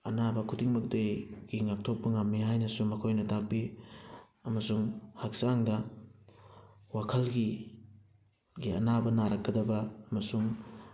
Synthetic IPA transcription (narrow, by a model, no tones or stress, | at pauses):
ɐ̰nabɐkʰudiŋmɐk̚dejɡ̥iŋak̚tʰok̚pɐŋamːiɦajnɐsumɐkʰojnɐtak̚pi | ɐmɐsuŋhak̚saŋdɐ | wakʰɐlɡi | ɡiɐ̰nabɐnaɾɐk̚ɡɐdɐbɐːmɐsuŋ